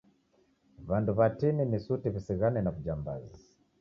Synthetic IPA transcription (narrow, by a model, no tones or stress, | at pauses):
βanduβatininisutiβisiɣanɛnaβud͡ʒamba̰zi